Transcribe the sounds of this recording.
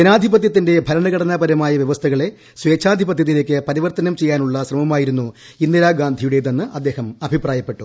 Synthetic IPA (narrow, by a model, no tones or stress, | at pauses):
d͡ʑenaːd̪ʱibɐt̪jɐt̪ːinde̞bʱɐɾɐɳɐɣɐɽɐnɐbɐɾɐmaːjɐʋjeʋɐst̪ʰɐɣɐɭe̞ | sʋeːt͡ɕʰːaːd̪ʱibɐt̪jɐt̪̬ːile̞ːk̬ʲːɨpɐɾiʋɐrt̪ɐnɐmt͡ɕe̞jːaːnuɭːɐɕrɐmɐmaːjiɾunːu | inːiɾaːɡaːnd̪ʱijuɽe̞ðenːɨʔɐd̪ːeːhɐmɐbʱipraːjɐpːe̞ʈːu